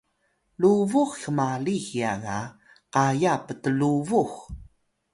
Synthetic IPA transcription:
luvuxxəmalixiaɣa | qajapətəluvux

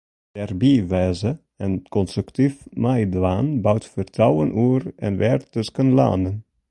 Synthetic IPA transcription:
d̥ɛrbiʋɛːzə | ɛnkɔnstrəktifmajdʋaːnbawtfərtrɑwənʔurɛ̰nʋɛrtːɵskənla̰ːnən

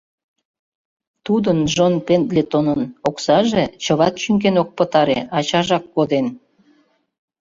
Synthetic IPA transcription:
t̪ud̪ənʒonpend̪let̪onənoksɑʒet͡ɕəβɑt̪ʃyŋkenok̚pət̪ɑɾḛʔɑt͡ɕɑʒɑkːod̪en

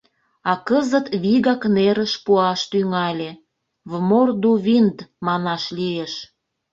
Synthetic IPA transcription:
ɑkəzət̪βiɣɑkneɾəʃpuɑʃt̪yŋɑlʲe | βmord̪uβind̪mɑnɑʃlieʃ

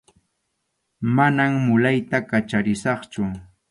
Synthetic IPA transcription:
manammʊlajt̪akat͡ʃaɾɪsɑχt͡ʃʊ

